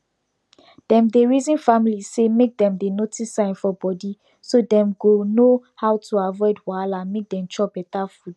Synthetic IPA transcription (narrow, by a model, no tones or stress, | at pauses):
d̥ɛ̃mdeɹizĩnfamilisemek̚dɛ̃mdenotisãɪ̃nfɔbɔdi | sodɛ̃mɡonohawtuavɔɪdwalãnmek̚dɛ̃mt͡ʃɔbɛtafud̚